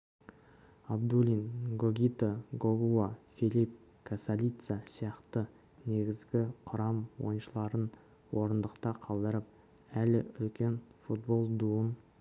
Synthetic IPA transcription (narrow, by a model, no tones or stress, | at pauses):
ɑbd̪ulʲinɡoɡʲit̪aɡoɡuafilʲip̚ | kʰasalʲit̪sasijɑqt̪ə | ne̞ɡʲɪzɡʲɪqʰʊɾɑmwo̞̰jnʃəlˠɑɾən | wo̞ɾənd̪əqt̪ɑqʰɑlˠd̪əɾəp̚ | ælɪʏlkʲe̞nfut̪̚bo̞lˠd̪uən